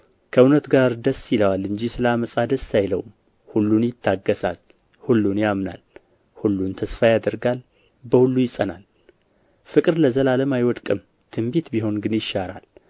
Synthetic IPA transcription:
kʰəunət̪ɡaɾd̪əsːjɪləwalːɨnd͡ʒisɨlaməsʼad̪əsːajləwm | hulːunjɪt̪ʰːaɡːəsa̰l | hulːunjamna̰l | hulːunt̪ʰəsfajad̪əɾɡal | bəhulːujɪsʼənal | fɨkʼɨɾləzəlaləmajwɔd̪kʼɨm | t̪ʰɨmbit̪biɦo̞nɡɨnjɪʃaɾa̰l

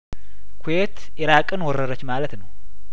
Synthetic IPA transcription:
kʰujet̪ | ɪɾakʼɨnwɔrəɾət͡ʃːmalət̪nəw

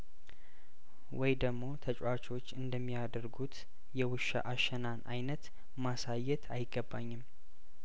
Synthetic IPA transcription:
wʔɔjd̪əɡmo̞t̪ʰət͡ʃʼwat͡ʃo̞t͡ʃːɨnd̪əmːijad̪əɾɡut̪ | jɛwɨʃa̰ʔaʃɛnana̰jnət̪ | masajɛt̪ʰajɪɡːəbːaɲːɪm

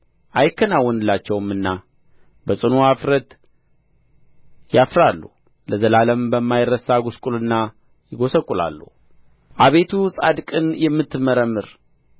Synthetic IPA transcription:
ʔajɪkːənawːɔnɨlːat͡ʃːɛwɨmːɨnːa | bəsʼɨnuafɾət̪ | jafɾalːu | ləzəlaləmbəmːajɪrːəsaɡʊskʼulɨnːa | jɪɡo̞səkʼːula̰lːṵh | ʔaβe̞t̪ʰusʼad̪kʼɨnjɛmːɨt̪ːɨməɾəmːɨɾ

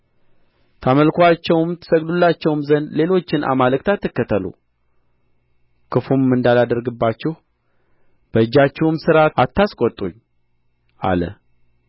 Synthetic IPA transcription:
t̪ʰaməlkʰʷat͡ʃːɛwmt̪ʰə̥səɡd̪ulːat͡ʃːɛwmzənle̞lo̞t͡ʃːɪnʔa̰malək̚t̪ʰat̪ːɨkːət̪ʰəlṵ | kʰɨfumːɨnd̪alad̪əɾɡɨbːat͡ʃːɛh | b̥əɨd͡ʒːat͡ʃːɛwmsɨɾaat̪ʰːaskʼɔt̪ʼṵɲː | ʔa̰lə̰

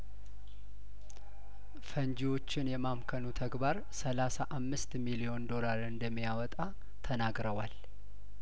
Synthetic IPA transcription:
fəɲd͡ʒiwo̞t͡ʃːɪnjɛmamkʰənut̪ʰəɡbaɾ | səlasaʔamːɨst̪milio̞nd̪o̞laɾɨnd̪əmːijawɔt̪ʼa | t̪ʰənaɡɾəwal

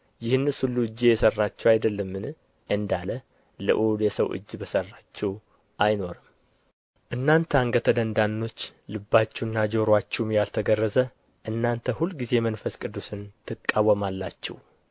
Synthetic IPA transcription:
jɪhnːɨshulːuɨd͡ʒːejɛsərːat͡ʃːɛwajd̪əlːəmːɨn | ʔɨnd̪alə | lɨ̰ʔuljɛsəwʔɨ̰d͡ʒːbəsərːat͡ʃːɛw | ʔajno̞ɾɨm | ʔɨnːant̪ʰəaŋɡət̪ʰəd̪ənd̪anːo̞t͡ʃːlɨbːat͡ʃːɛnːad͡ʒoɾwat͡ʃːɛmjalt̪ʰəɡərːəzə | ʔɨnːant̪ʰəhulːɡize̞mənfəskʼɨd̪ːusɨnt̪ʰɨkʼːawːəmalːat͡ʃːɛ̰w

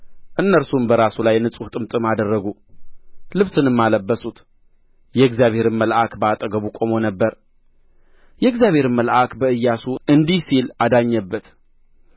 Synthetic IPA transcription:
ʔɨnːəɾsumbəɾasulajnɨsʼuht̪ʼɨmt̪ʼɨmad̪ərːəɡu | lɨβsɨnɨmːaləbːəsut̪ | jɛɨɡzijaβhe̞ɾɨnməlʔakbəat̪ʼəɡəβukʼo̞mo̞nəbːəɾ | jɛɨɡzjaβhe̞ɾɨnməlʔakbəɨjːasuɨnd̪ihsilad̪aɲːəbːət̪

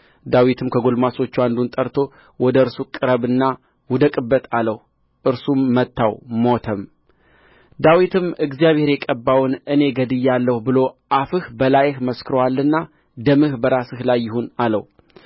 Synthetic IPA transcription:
d̪awit̪ʰɨmkʰəɡo̞lmaso̞t͡ʃːuand̪unt̪ʼəɾt̪ʰo̞ | wɔd̪əɨɾsukʼɨɾəβɨnːa | wʊd̪əkʼɨbːət̪aləh | ʔɨɾsumːət̪ːawmot̪ʰəm | d̪awit̪ʰɨmɨɡzijaβhe̞ɾjɛkʼəbːawnɨne̞ɡəd̪ɨjːalːəhubɨlo̞ʔafɨhbəlajhməskʰɨɾəwalːɨnːa | d̪əmɨhbəɾasɨhlajːɪɦunalə̰w

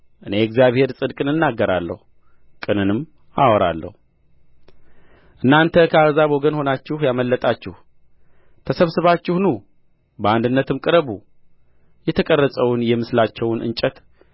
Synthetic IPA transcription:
ʔɨne̞ɛkzjaβhe̞ɾsʼɨd̪kʼɨnɨnːaɡːəɾa̰lːə̰hu | kʼɨnɨnɨmː | awɔɾa̰lːə̰hu | ʔɨnːant̪ʰəkʰəazaβoɡənho̞nat͡ʃːɪhjaməlːət̪ʼat͡ʃːɪh | t̪ʰəsəβsɨβat͡ʃːɪhnu | bəand̪ɨnːət̪ʰɨmkʼɨɾəβu | jɛt̪ʰəkʼərːəsʼəwʊnjɛmɨslat͡ʃːɛwʊnʔɨ̰nt͡ʃʼət̪

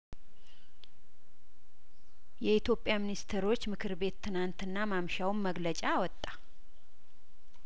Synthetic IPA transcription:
jɛit̪jo̞pʼjaminist̪ʰeɾo̞t͡ʃːmɨkʰɨɾbe̞t̪ʰːɨnant̪ɨnːamamʃawmːəɡlət͡ʃʼaːwɔt̪ʼːa

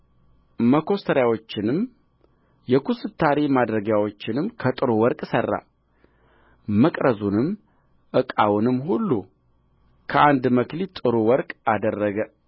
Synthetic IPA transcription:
məkʰo̞st̪ʰəɾjawo̞t͡ʃːɪnɨm | jɛkʰusɨt̪ʰːaɾemad̪ɾəɡjawo̞t͡ʃːɪnɨmkʰət̪ʼɨɾowɔɾkʼsərːa̰ | məkʼɾəzunɨmː | ʔɨkʼawʊnɨmːɦulːu | kʰəʔand̪məklit̪ʼɨɾowɔɾkʼad̪ərːəɡə

